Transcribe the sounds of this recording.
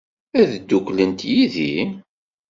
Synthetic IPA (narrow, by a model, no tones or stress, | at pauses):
æðd̪ːuklənt̪jiði